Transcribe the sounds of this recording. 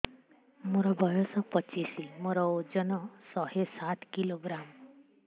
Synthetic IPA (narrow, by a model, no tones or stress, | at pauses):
moɾɔbʱɔjɔsɔpɔt͡ʃisimoɾɔod͡ʒɔnɔsɔɦesat̪kiloɡɾam